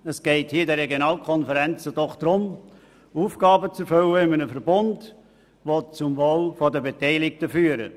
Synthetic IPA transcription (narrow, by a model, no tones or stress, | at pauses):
əsɡ̥ɛɪthiːdɛrɛɡjonɑːlkʰɔnfəɾɛnt͡səd̥ɔχd̪̥ɾʊm | uːfɡ̥ɑːbət͡sɛɾfʏləɪmənəfəɾbʊnd | ʋot͡sʊmvoːlfɔdəbetɛɪlɪk̚təfyːəɾə̰